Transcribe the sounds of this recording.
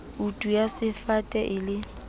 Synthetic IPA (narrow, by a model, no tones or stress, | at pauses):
utʼujasɪfatʼɛʔɪlɪ